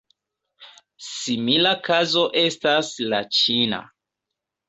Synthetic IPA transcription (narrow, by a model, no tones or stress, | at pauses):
similakazo̞ʔe̞staslat͡ʃina̰